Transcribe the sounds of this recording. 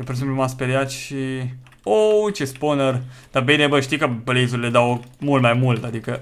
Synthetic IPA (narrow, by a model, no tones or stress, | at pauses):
jepoɾesemp̬lumaspeɾjat̪ʃi | ot͡ʃesponərd̪̥abinebəʃt̪ijkəbəlezuɾile̞d̪awmult̪majmult̪ad̪ikə